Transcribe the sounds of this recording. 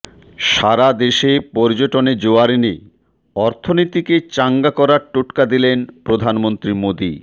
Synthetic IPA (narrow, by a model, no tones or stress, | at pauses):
ʃaɾad̪eʃepɔɾd͡ʑoʈoned͡ʑoaɾine | ɔɾt̪ʰonit̪iket͡ɕaŋɡakɔɾaɾʈoʈkad̪ilenpɾod̪ʱanmont̪ɾimod̪ḭ